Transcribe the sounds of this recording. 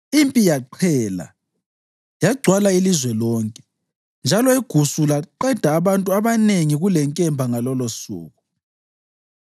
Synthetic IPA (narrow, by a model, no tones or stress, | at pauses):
impʼijaǃʰɛːla̰ | jaɡ͡ǀʱwalailizwɛlɔːŋkʼɛ | nd͡ʒʱalɔeɡ̥ʱusulaǃɛd̥ʱaːβantʼuaβaneŋiɣulɛŋkʼɛmbʱaŋalɔlosṵːɣu